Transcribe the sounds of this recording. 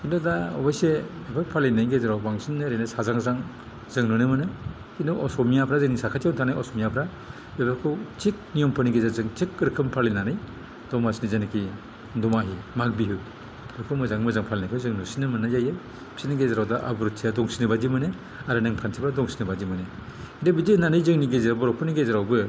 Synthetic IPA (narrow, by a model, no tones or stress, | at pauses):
kindɔdaɔbajsebebapʰalinajɡezaɾawbaŋsinːɯɾenasazaŋzaŋ | zɯŋnunɯmɯnɯ | kindɔʔɔsɔmijapʰɾazɯŋniŋsakʰatjawntʰanajɔsɔmijapʰɾa | bebakʰɯwt͡ʃik̚nijɔmpʰɯniɡezazɯŋt͡ʃik̚ɾɯkʰɯmpʰalinanɯj | d̥ɔmasinizanikʰi | dɔmaɦimak̚biɦɯ | ɾɯkʰɯmɯzaŋmɯzaŋpʰalinɯkʰɯwzɯŋnusinɯmɯnajajɯ | b̥siniɡezaɾawdaʔa̰buɾtʰijadɔŋsinɯbadimɯnɯ | aɾɯnɯŋpʰantʰipʰɾadɔŋsinɯbadimɯnɯ | indebidenanɯjzɯŋniɡezɾawbɔɾɔpʰɯniɡezaɾawbɯ